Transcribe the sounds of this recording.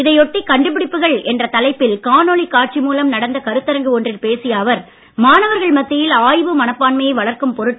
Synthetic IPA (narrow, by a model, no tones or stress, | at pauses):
ɪðɐɪɔʈːikɐɳɖɯpɪɽɪpːɯɣɐɭɛndrɐt̪ɐlɐɪpːɪlkaːnoːɭikːaːʈ̚t͡ʃimuːlɐmnɐɽɐnd̪ɐkɐɾɯt̪ːɐɾɐŋɡɯɔndrɪlpeːsɪjaːʋɐɾ | maːnɐʋɐɾɣɐɭmɐt̪ːɪjɪlaːjʋɯmɐnɐpːaːnmɐjɐɪʋɐɭɐɾkɯmpɔɾɯʈ